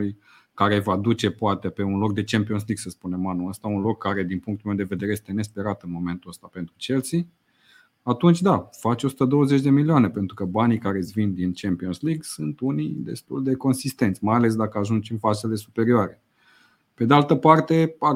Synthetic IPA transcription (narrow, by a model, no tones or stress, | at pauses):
uj | kaɾe̞vad̪ut͡ʃe̞poat̪epe̞unlo̞k̚d̪e̞t͡ʃempio̞ns̬liɡsəspune̞manuəst̪aunlo̞kʰːaɾe̞d̪inpuŋkt̪ulmewd̪e̞ve̞d̪eɾeje̞st̪e̞ne̞spe̞ɾat̪ɨnmo̞me̞nt̪uəst̪ape̞nt̪ɾut͡ʃe̞lt̪si | at̪unt͡ʃʲd̪afat͡ʃo̞su̥t̪əd̪o̞wəze̞t͡ʃʲd̪e̞milioane̞pent̪ɾukəbanikaɾe̞svind̪int͡ʃempio̞nsliɡsunt̪unḭjd̪e̞st̪uld̪e̞ko̞nsist̪e̞nt̪sʲmajale̞s̬d̪akəaʒunt͡ʃɨnfasele̞supe̞ɾioaɾe̞ | ped̪ealt̪əpart̪e̞a